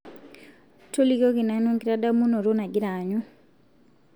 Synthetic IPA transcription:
to˦li˦ɡo˦kɪ˨na˨no˦ŋɡɪ˦ɾa˦da˦mu˦no˨ɾo˦na˨ɡɪ˦ɾa˨ɲu˦

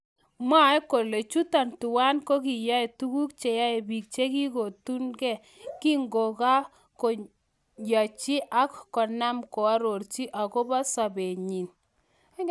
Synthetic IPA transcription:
ma˦e˦ko˨le˨t͡ʃu˦ta˨ntu˨wa˦nko˦ki˨ja˦e˨tu˦ɡu˦kt͡ʃe˨ja˦e˨bi˨k̚t͡ʃe˦ɡi˦ko˨tu˦nɡɛ˦ | ki˦ŋɡo˨ka˦ | ko˨ | ja˨t͡ʃi˦ʔa˦kkɔ˨na˦mkɔ˨a˦ɾo˨ɾt͡ʃi˦ʔa˨ko˦ba˦sa˨be˨ɲi˨n

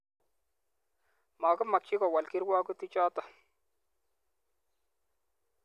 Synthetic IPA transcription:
ma˨kʊ˦ma˨k̚t͡ʃɪ˦kɔ˨wa˨lki˦ɾwaː˦ku˦ti˦t͡ʃɔː˦tɔ˨

